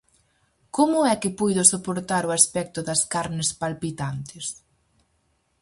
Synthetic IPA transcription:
komʊɛkɪpujðʊsopoɾt̪aɾʊaspɛk̚t̪ʊðɐskaɾnɪspalpit̪ant̪ɪs

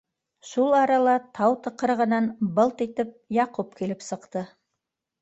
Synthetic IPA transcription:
ʃulˠɑɾɑlˠɑt̪ʰɑwt̪ɤ̆qɤɾʁɤ̆nɑnbɤlˠt̪it̪ɘp̚jɑqup̚kilɘpsɤ̆qt̪ɤ

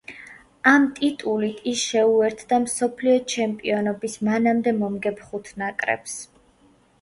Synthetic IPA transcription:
amt̪ʼit̪ʼulit̪ʰisʃɛuɛɾt̪ʰd̪amsɔpʰliɔt͡ʃʰɛmpʼiɔnɔbismanamd̪ɛmɔmɡɛpχut̪ʰnakʼɾɛ̰ps

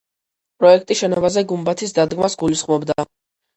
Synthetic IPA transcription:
pʼɾɔɛk̚ʰt̪ʼiʃɛnɔbazɛɡumbat̪ʰisd̪ad̪ɡmasɡulisχmɔbd̪a

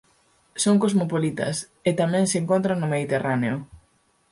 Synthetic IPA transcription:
soŋkozmopolit̪ɐ̰s | et̪amɛ̃ŋseŋkont̪ɾaŋnʊmeðit̪eraneʊ

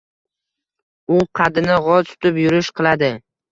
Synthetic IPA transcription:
ʊqʰɑd̪ɪnɪʁɒzt̪ʰʊ̥t̪ɪpjʊɾɪʃqʰɨlˠad̪ɪ

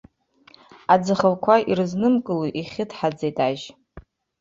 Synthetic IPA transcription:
ad͡zɨχəlkʷʰaʔirɨznɨmkʼɨluʔiχʲɪtʰħad͡zejtʼaʒ

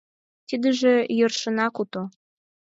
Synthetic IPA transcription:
t̪id̪ə̆ʒĕjɤ̆rʃɤ̆nɑkut̪o

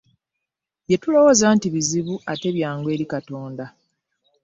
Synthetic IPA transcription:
je̞tulo̞woːzaːntiβiziβuʔate̞βjaːŋɡwe̞ːɾikato̞ːnda

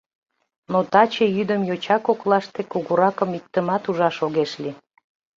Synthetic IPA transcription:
not̪ɑt͡ɕejyd̪əmjot͡ɕɑkoklɑʃt̪ekuɣuɾɑkəmik̚t̪əmɑt̪uʒɑʃoɣeʃli

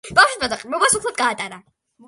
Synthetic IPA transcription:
b̥awʃimazaqʼmɔbasukʰlˠad̪̚ɡaːt̪ʼaɾa

